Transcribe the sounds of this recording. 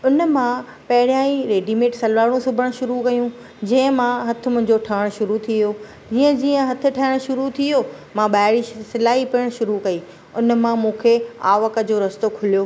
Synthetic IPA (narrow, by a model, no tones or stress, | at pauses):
ʊnəmã | pɐɦɪɽijãːĩɾeːɖimeːʈsɐlʋaːɽ̃ũsʊbʱəɽ̃ʃʊɾukɐjũ | d͡ʑɐ̃ɦɪ̃mãɦɐt̪ʰʊ̆mʊ̃ɦɪ̃ɲd͡ʑoʈʰaʋɽ̃ʃʊɾut̪ʰioː | d͡ʑiːə̃d͡ʑiːə̃ɦɐt̪ʰɪ̆ʈʰɐɪɽ̃ʃʊɾut̪ʰijo | mãɓaːɦɪɽisɪlaːɦipiəɽ̃ʃʊɾukɐi | ʊn̆mãmũːkʰeaːʋəkəd͡ʑoːɾɐst̪okʰʊlijoː